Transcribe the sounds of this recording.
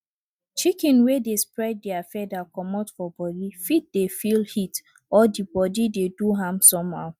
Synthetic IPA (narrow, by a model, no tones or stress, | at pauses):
t͡ʃikɛ̃nwedespɹɛd̚diafɛdakɔmatfɔbɔdifit̚defilhit | ɔdibɔdideduɦãmsɔ̃mha̰ʊ